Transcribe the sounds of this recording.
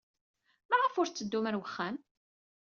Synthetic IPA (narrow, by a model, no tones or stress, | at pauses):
maʁəfʊɾt͡sːəd̪ːuməɾwəχːæm